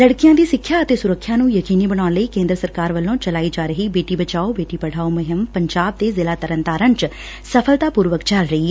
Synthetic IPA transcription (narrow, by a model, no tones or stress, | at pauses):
ləɽkɪjãːd̪iːsɪkʰːjaːət̪eːsʊɾəkʰːjãːnũːjəkiːniːbəɽ̃aːnləiːkẽːnd̪ɾəsəɾkaːɾʋəlːõːt͡ʃəlaːiːd͡ʒaːɾəɦiːbeːʈiːbət͡ʃaːobeːʈiːpəɽ̤aːoːməɦəmpəɲd͡ʒaːb̚t̪eːzɪlaːt̪əɾənt̪aːɾə̃nt͡ʃ | səpʰəlt̪aːpuːɾʋəkt͡ʃəlɾəiːɛ